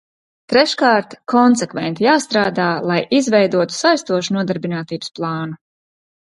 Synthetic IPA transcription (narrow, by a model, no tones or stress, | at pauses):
t̪ɾɛʃkaːɾt̪kʰɔnsɛkvɛnt̪ijaːst̪ɾaːd̪aːlˠajizvɛjd̪uɔt̪u̥sajst̪uɔʃunuɔd̪aɾbinaːt̪iːbə̥splˠɑːnu